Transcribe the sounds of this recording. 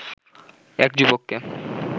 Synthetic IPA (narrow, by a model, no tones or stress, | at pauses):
ɛk̚d͡ʑubokːe